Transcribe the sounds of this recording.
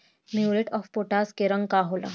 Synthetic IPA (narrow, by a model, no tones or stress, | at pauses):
mjuɾeʈɔfpoʈaskeɾəŋɡkaɦola̰